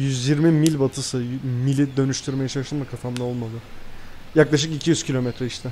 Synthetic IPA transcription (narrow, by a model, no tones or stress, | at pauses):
jyzjiɾmimilʲbat̪ʰɯsɯmilʲid̪ø̞nyʃt̪ʰyɾmejat͡ʃʰaɯʃɯmd̪akʰafʰamd̪ˠao̞lˠmad̪ˠɯjaklˠaʃɯkicʰijyzcʰilʲo̞mɛt̪ɾɛiʃt̪ʰɪ